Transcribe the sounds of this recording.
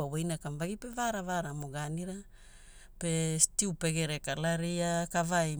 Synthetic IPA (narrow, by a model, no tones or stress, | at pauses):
awejnakamvaɡipevaɾavaɾamoɡaniɾa | pestiupeɡeɾekalaɾiakavaj